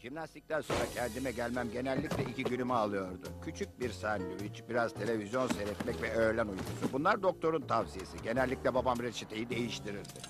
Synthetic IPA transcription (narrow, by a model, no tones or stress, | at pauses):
ʒ̥imnast̪i̥c̚t̪ʰænso̞nɾacʰɛnd̪imɛɟælʲmæmɟe̞nɛlʲːiclʲɛiciɟylʲymɛalˠɯjo̞ɾd̪ʊcʰyt͡ʃʰyc̚biɾsanːyvit͡ʃbiɾazt̪ʰe̞lʲe̞vizjo̞nseɾɛt̪mɛcvɛøːɾlʲænujd̪usubunlˠaɾd̪o̞k̚t̪ʰo̞ɾunt̪ʰavsijesiɟe̞nɛlʲːiclʲɛbabamɾet͡ʃʰit̪ʰejid̪e̞jiʃt̪ʰiɾiɾd̪ɪ